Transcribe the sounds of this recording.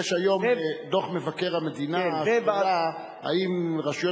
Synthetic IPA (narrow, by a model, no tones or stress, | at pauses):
ʃajo̞md̪oχme̞vake̞ʁhamed̪inabaa | a̰imʁaʃjo